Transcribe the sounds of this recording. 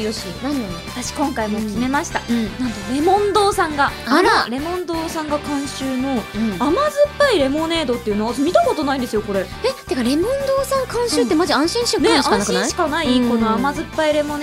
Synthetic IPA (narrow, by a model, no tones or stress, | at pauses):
joɕinanat̪aɕi̥kõ̞ŋkaimo̞kʲime̞maɕi̥t̪anãnt̪oɾe̞mõ̞nd̪o̞ːsãŋɡaamaɾe̞mõ̞nd̪o̞ːsãŋɡakãɰ̃ɕɨːnõamazɨpːaiɾe̞mo̞ne̞ːd̪o̞t̪ːe̞iɯ̟noomʲit̪ako̞t̪o̞naid̪e̞sɨjoko̞ɾe̞ | et̪ekaɾe̞mõnd̪oːsãŋkãɰ̃ɕɨːt̪ːemaʑiãɰ̃ɕĩɰ̃ɕɨ̃nẽããnakɯ̃naɕi̥kanaiko̞no̞amazɨpːaiɾe̞mo̞n